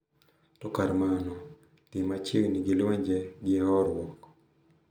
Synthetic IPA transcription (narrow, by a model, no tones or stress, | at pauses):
tɔkaɾmanɔ | tɪmat͡ʃeɡniɡɪlwɛɲd͡ʒɛɡɪɛɦɔɾwɔk